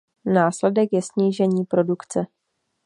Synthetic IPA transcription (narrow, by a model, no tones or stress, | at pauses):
naːslɛdɛkjɛsɲiːʒɛɲiːpɾo̞dukt͡sɛ